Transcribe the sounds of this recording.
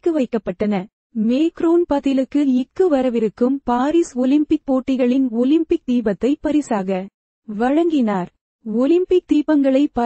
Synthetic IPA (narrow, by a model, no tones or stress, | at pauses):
kːɯʋɐɪkːɐpːɐʈːɐnɐ | meːkɾoːnpɐðɪlɯkːɯɪkːɯʋɐɾɐʋɪɾɯkːɯmpaːɾisɔlɪmpɪk̚poːʈːɪɣɐɭɪnɔlɪmpɪk̚d̪iːbɐt̪ːɐɪpːɐɾɪsaːɣɐ | ʋɐɻɐŋɡɪnaːɾ | ɔlɪmpɪk̚d̪iːbɐŋɡɐɭɐɪpɐ